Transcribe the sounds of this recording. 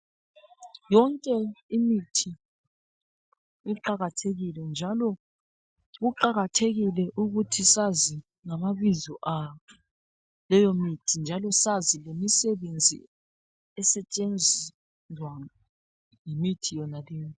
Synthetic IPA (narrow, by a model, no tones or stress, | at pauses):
jɔŋkʼɛimitʰi | iǃaɣatʰeɣilɛnd͡ʒʱalɔ | ɣuǃaɣatʰeɣilɛʔuɣutʰisazi | ŋamaβizɔʔa | lɛjomitʰind͡ʒʱalɔsazilemisɛβend͡zʱḭ | ɛsɛt͡ʃʼend͡zʱi | zwa | ŋimitʰijɔnalɛːjɔ